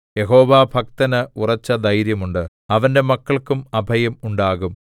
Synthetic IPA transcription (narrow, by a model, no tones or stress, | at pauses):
je̞ɦo̞ːʋaːbʱɐk̚t̪ɐnɨurɐt͡ɕːɐd̪ɐjɾjɐmuɳɖɨ | ɐʋɐnde̞mɐkːɐɭkumɐbʱɐjɐmuɳɖaːɣum